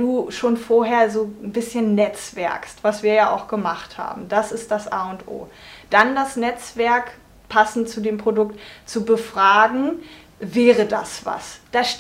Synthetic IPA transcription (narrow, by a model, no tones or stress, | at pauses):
d̥uːʃoːnfoːɐɦeːɐzoːn̩bɪsçənːɛt͡sv̥ɛ̰ɐkstv̥asv̥iːɐjaːʔa̰ʊxɡ̥əmaχtha̰ːbm̩d̥asɪst̚d̥asʔaːʊntʔo̰ːd̥andasnɛt͡sv̥ɛɐk | pʰasn̩tt͡sudeːmpʁ̥odʊktt͡subəfʁ̥aːɡŋ̩ | vɛːʁəda̰sv̥a̰sd̥aːʃ